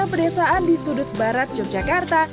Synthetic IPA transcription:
apərdesaʔandisudʊt̪̚baɾat̪̚d͡ʒɔk̚d͡ʒakart̪a

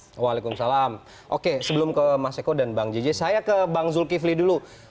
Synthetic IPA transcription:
walekumsalam | ʔokesəbəlʊmkəmasekodanbaŋd͡ʒed͡ʒɛsajakəbaŋzʊlkiflidulu

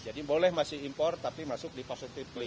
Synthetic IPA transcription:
d͡ʒadibolɛhmasɪhimpɔrt̪apimasʊk̚dipɔsit̪ɪfpli

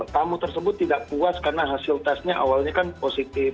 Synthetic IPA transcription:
t̪amut̪ərsəbʊt̪ːidaʔpuaskarnaɦasilt̪asɲaʔa̰walɲakanposit̪ɪ

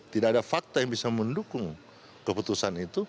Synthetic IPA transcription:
t̪idakadafak̚t̪ojaŋbisaməndukʊŋ | kəput̪usanit̪u

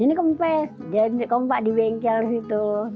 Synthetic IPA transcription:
inikɔmpɛ | dkɔmpaʔdiwɛŋkialdisit̪u

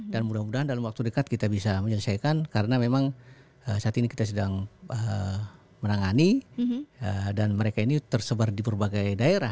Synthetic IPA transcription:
danmudahmudaɦandalamwak̚t̪udəkat̪̚kit̪abisaməɲələsajkankaɾənamemaŋ | əsaat̪iniki̥t̪as̬ədaŋə | mənaŋani | ədanməɾekainit̪ərsəbardibərbaɡajdaeɾa

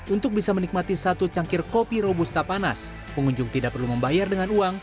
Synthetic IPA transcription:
ʔunt̪ʊk̚bisamənik̚mat̪isat̪ut͡ʃaŋkɪrkopiɾobust̪apana̰s | pəŋuɲd͡ʒʊŋt̪idaʔ̚pərluməmbajardəŋanuaŋ

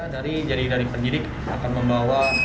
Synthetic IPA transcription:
daɾid͡ʒadidaɾipəndidɪk | akanməmbawa

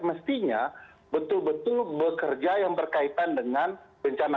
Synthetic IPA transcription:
əməst̪iɲa | bət̪ʊlbət̪ʊlbəkərd͡ʒajaŋbərkait̪andəŋanbəɲt͡ʃana

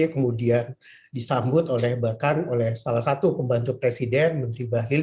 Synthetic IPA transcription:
kəmudian | disambʊt̪olɛhbakanolɛhsalahsat̪upəmbant̪ʊpɾesidɛnmənt̪ɾibaɦlil

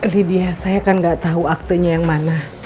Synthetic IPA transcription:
lidiasajakanŋɡaʔt̪auak̚t̪əɲajaŋmanah

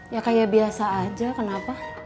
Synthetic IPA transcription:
jakajabiasaːd͡ʒakənapa

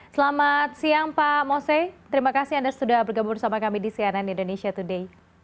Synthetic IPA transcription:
səlamat̪̚siaŋpamosɛt̪əɾimakasiandasə̥t̪udahbərɡabursamakamidisiananindonesiat̪udei

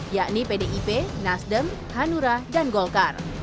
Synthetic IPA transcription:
jaʔnipedeʔipenasdəm | hanuɾadanɡɔlkar

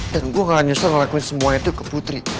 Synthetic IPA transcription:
danɡuaŋaɲusarməlakuɪnsəmuait̪ukəput̪ɾi

